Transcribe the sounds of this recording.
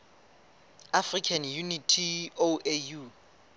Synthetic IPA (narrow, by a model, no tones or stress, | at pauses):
afrikʰanjunitʰioeju